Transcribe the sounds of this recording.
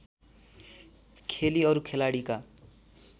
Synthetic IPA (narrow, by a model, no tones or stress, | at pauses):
kʰeliʌɾukʰelaɽika